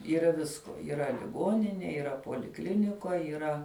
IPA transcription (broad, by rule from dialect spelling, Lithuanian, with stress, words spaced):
iːˈrɐ ˈʋʲɪskoː iːˈrɐ lʲɪˈɡoːnʲɪnʲeː iːˈrɐ poːlʲɪˈklʲɪnʲɪkoːj iːˈrɐ